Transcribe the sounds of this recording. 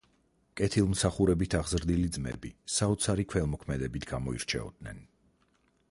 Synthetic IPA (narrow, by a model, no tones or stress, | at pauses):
kʼɛt̪ʰilˠmsaχuɾɛbit̪ʰaʁzɾd̪ilid̪zmɛ̰bisaɔt̪sʰaɾikʰwɛlˠmɔkʰmɛd̪ɛbit̪ʰɡ̥amɔḭɾt͡ʃʰɛ̰ɔ̰d̪nɛ̰n